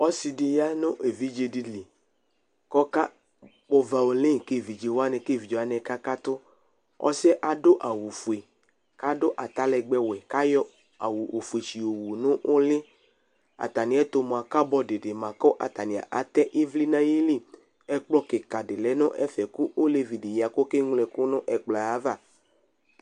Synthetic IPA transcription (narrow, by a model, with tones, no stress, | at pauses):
ɔ˦si˧di˧ja˦nʊ̃˦ʔe˨vi˦d͡ʒe˧di˨li˨ | kɔ˦ka˦ | k͡pɔ˧va˨o˨le˦˨ke˦˨vi˨d͡ʒe˨wa˦nɛ˧ke˦˨vi˨d͡ʒe˨wa˦nɛ˨˧ka˦ka˦t̪ʊ˦ | ɔ̰˦sɛ˦ʔa˨dʊ˦ʔa˨wu˨fu˨e˨ | ka˦dʊ˦ʔa˨t̪a˦lɛ˧ɡ͡bɛ˧wɛ˨ka˦jɔ˦ | a˨wu˨ʔo˨fu˨e˨ʃi˨o˨wu˨nʊ̃˦ʔo˦le˦ | a̰˨t̪a˨nĩ˨ɛ˨˦t̪o˨mo˨a˨ka˦bɔ˦de˨de˨mã˨kɔ˦ʔa̰˨t̪a˨nĩ˨a̰˨ʔa˨t̪ɛ˦ʔi˦vli˦nã˦ji˦li˦˨ | ɛ˦k͡plɔ˦ke˨ka˨de˨lɛ˨˦nʊ̃˦ʔɛ˦fɛ˨ku˦ʔo˦le˦vi˨de˨ja˨ko˦ke˦ŋu˦lɛ˨ku˦nʊ̃˦ʔɛ˨k͡pla˨a˨˦va˦˨